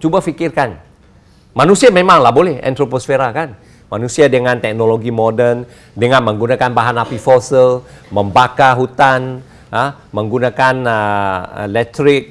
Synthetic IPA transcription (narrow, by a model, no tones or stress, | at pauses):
t͡ʃubafikɪrkan | manusiamemaŋlahbolɛhɛ̰nt̪ɾoposfeɾakan | manusiadəŋant̪ɛk̚noloɡimodən | dəŋanməŋɡunakanbaɦanapifosəlməmbakaɦut̪an | ə | məŋɡunakanəə̰lɛk̚t̪ɾɪk̚